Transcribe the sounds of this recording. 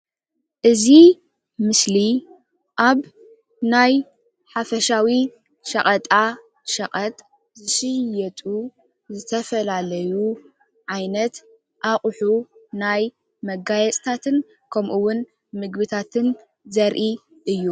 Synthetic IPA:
ʔɨzi | mɨsli | ʔaβ | naj | ħafɐʃawi | ʃɐχʼɐt̪ʼa | ʃɐqʼɐt̪ʼ | zɨʃɨjɛt̪ʼu | zɨt̪ʰɐfɐlalɐju | ʕajnɐt̪ | ʔaχʼħunaj | mɐɡajɛt͡sʼt̪ʰat̪ʰɨn | kʰɐmʔuwːʊn | mɨɡβɨt̪ʰat̪ʰɨn | zɐɾʔi | ʔɨjːu

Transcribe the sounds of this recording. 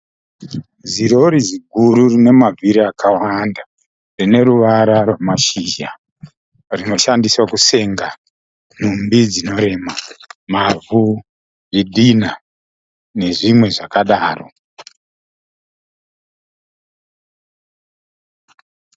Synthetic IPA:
ziɾo̞ɾiziɡʱuɾurine̞mavʱiɾiakʰawanda | rine̞ɾuʋaɾarwamaʃiʒa | rino̞ʃandiswakuse̞ŋɡa | n̥̤umbid͡zino̞ɾe̞mamavʱu | ʐiɗina | ne̞ʐimwe̞ʐakaɗaːro̞̰

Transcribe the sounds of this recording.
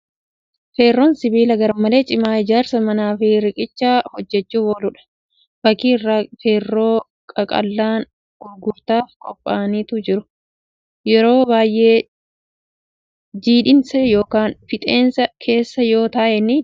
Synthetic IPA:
fe̞ːrːoːnsɪbiːlɐɡɐɾɐmɐle̞ːt͡ʃʼɪmaːɪd͡ʒaːɾsɐmɐnaːfɪɾɪkʼɪt͡ʃːaːhɔd͡ʒːɛt͡ʃːuːbɔːlʊᶑɐ̥ | fɐkiːrːaːfeːrːo̞ː | kʼɐkʼɐ̰lːaːn | ɡ̥ʊɾɡʊɾt̪aːfkʼɔpʼːaːniːt̪ʊd͡ʒɪɾʊ | jɛɾo̞ːbaːjʔe̞ː | d͡ʒiːᶑɪnsɐjo̞ːkaːnfɪt̪ʼe̞ːnsɐkʰe̞ːsːɐjo̞ːt̪ɐːʔɛnːɪ

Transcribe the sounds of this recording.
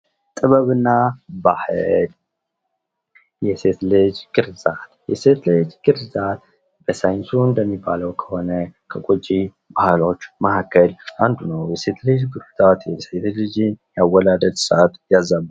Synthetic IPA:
t̪ʼɨβəβɨnːabahɨl | jɛse̞t̪lɨd͡ʒɡɨɾzat̪jɛset̪lɨd͡ʒɡɨɾzat̪ | b̥əsajɪnsuɨnd̪əmːibːaləwkʰə̥ho̞nəkʰəkʼot͡ʃʼːi | bahlo̞t͡ʃːmahakʰːəlʔand̪unəwjɛse̞t̪lɨd͡ʒɡɨɾzat̪jɛse̞t̪lɨd͡ʒɪnjawːɔd̪ad̪əd̪səʔat̪jazːaβ

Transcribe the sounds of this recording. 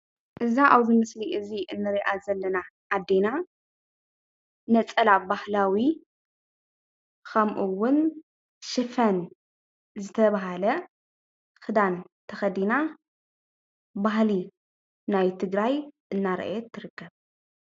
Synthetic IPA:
ʔɨzaʔawzɨmɨsliʔɨziʔɨnːɨɾiʔazɐlːɐnaʔːd̪ːena | nɐt͡sʼɐlabahlawi | kʰɐmʔuwʊn | ʃɨfɐn | zɨt̪ʰɐβaɦalɐ | xɨd̪ant̪ʰɐxɐd̪ina | bahli | najt̪ʰɨɡɾajʔɨnːaɾɐ̰ʔjɛt̪ʰːɨɾɨkːɐβ

